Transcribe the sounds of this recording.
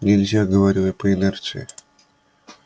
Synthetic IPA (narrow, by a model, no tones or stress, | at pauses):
nʲɪlʲzʲaɡəvaɾʲilˠəpəɪnɛrt̪sɨɪ